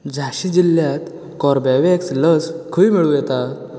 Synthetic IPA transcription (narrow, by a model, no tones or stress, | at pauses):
d͡zʱaɕid͡ʑilːjat̪ | kɔɾbaʋeksləskʰəiːmiɭujɛt̪a